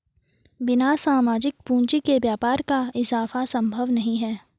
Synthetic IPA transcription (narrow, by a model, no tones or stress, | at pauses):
bɪnasaːmaːd͡ʒɪk̚pũːɲt͡ʃikebjaːpaːɾkaɪzaːfasɐ̃mbʱəʋnɐɦĩɦɛː